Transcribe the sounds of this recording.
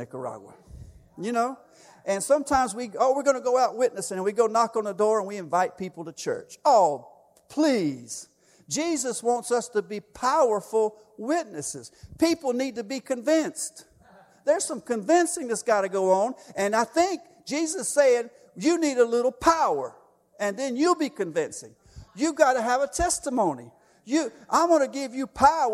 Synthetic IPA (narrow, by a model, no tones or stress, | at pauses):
ɪkə̰˞ɑ̰ɡwə̰ | jɨnoʊ | ʔɨ̃nsʌ̃mtʰãɪ̃mzwiowɪɹɡʌnɨɡoʊaʊt̚wɪtⁿnɨsɪ̃ŋɨ̃nwiɡoʊnɑkn̩ðədɔɹə̃nwiɨ̃ɱvaɪt̚pʰipl̩ˠtɨt͡ʃʰɜ̰˞t͡ʃoʊ | pʰl̥iz̥ | d͡ʒizɨswɑ̃ntsʌstɨbipʰaʊə˞fl̩ˠ | wɪtⁿnɨsɨ̰z̥pipl̩ˠnid̚tɨbikʰɨ̃ɱvɪ̃nst | ðə˞z̥sʌ̃mkɨ̃ɱvɪ̃nsɪ̃ŋðɨtsɡ̥ɑɾɨɡoʊə̃nɨ̃naɪθɪ̃ŋk̚d̥ʒ̥izɨseɪɪ̃ŋ | jɨniɾəlɪɾl̩ˠpʰaʊə˞ | ɨ̃nðɨ̃njɨlˠbikɨ̃ɱvɪ̰̃nsɪ̰̃ŋ | jɨɡɑɾɨːvətʰɛstəmõʊ̃nḭ | jɨʔaɪwɑnɨɡɪvjɨpʰaʊ